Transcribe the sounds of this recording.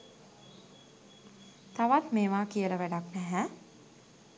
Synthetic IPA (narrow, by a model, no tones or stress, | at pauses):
t̪ɐʋat̪meːʋaːkijəlɐʋæɖaknɛɦɛ̃